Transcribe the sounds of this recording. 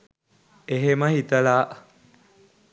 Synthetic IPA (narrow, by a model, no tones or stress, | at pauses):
eɦeməhit̪əlaː